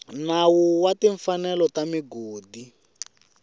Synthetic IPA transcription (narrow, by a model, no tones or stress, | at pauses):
nawuwatiɱfanɛlɔtamiɡoːdi